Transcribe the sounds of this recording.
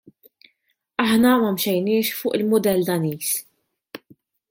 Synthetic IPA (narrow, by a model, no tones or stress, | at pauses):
ɐħnɐmɐmʃɛjnɪːʃfʊːʔɪlmʊd̪ɛld̪ɐniːs